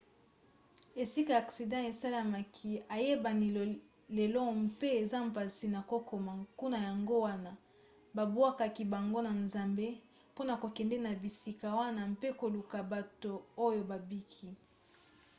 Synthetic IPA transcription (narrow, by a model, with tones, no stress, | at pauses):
e˨si˦ka˨a˨ksi˨dã˦e˨sa˦la˨ma˨kʰi˦a˨je˦ba˨ni˨l | le˨lɔ˦mpe˦e˨za˦m̩˨pa˨si˨na˨ko˦kʰo˨ma˨ku˦na˨ja˨ŋɡo˦wa˦na˦ | ba˨bwa˦ka˨ki˨ba˨ŋɡo˦na˨nza˨mbe˦ | po˦na˨ko˨kɛ˨ndɛ˦na˨bi˨si˦ka˨wa˦na˦mpe˦ko˨lu˨ka˨ba˨to˨o˦jo˨ba˨bi˦kʰi˦